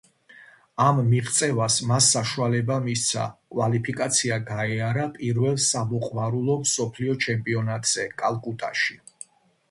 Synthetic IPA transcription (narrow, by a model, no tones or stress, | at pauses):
amːiʁt̪sʼɛvasmasːaʃualɛbamist̪sʰa̰kʼwalipʰikʼat̪sʰiaɡaɛaɾapʼiɾvɛlˠsamɔqʼmaɾulˠɔmsɔpʰliɔt͡ʃʰɛmpʼiɔnat̪ʼz̥ɛkʼalˠkʼut̪ʼaʃi